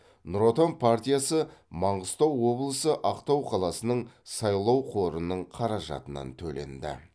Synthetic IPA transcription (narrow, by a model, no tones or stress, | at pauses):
nuɾo̞t̪onpʰart̪ʲijasəmɑɴʁəst̪ɑwːo̞blˠəsəʔɑqt̪ɑwqʰɑlˠɑsənəɴsɑjlˠɑwqʰo̞ɾənəɴqʰɑɾɑʒɑ̰t̪ənɑ̰nt̪ʰɵle̞̰nd̪ɪ̰